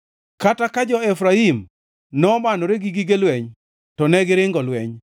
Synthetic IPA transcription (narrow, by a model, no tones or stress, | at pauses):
katakad͡ʒɔɛfɾaim | nɔmanɔɾeɡiɡiɡelwɛɲ | tɔnɛɡɪɾɪŋɡɔlwɛɲ